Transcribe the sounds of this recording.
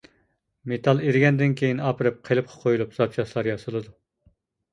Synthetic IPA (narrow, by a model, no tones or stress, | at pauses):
met̪ʰɑlˠeɾɪɡʲɛnd̪ɪnkʲʰejinɑpʰɨɾɨp̚qʰelˠɨp̚qʰɑ̥qʰojulˠupz̥ɑp̚t͡ʃʰɑʃlˠɑɾjɑsɨlˠɨd̪u